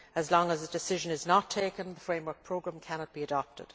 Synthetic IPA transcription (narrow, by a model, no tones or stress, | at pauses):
əzlɔ̃ŋəzədɨsɪʒə̃nɪznətʰeɪkə̃nðəfɹẽɪ̃mwə˞k̚pʰɹ̥oʊɡɹæ̃mkʰæñɑt̚b̥iədɑp̚tɪ̰d̥